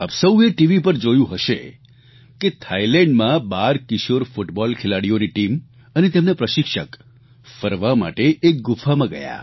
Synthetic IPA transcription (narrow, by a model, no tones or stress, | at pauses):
a̰bsəweʈiʋipəɾd͡ʒojũɦəʃḛ | ket̪ʰailɛɳɖmãbaɾkɪʃoɾfʊʈbɔlkʰelaɽijoniʈim | ənet̪emnapɾəʃɪkʃək | fəɾʋama̰ʈeʔːk̚ɡʊfʰamãɡə̰ja̰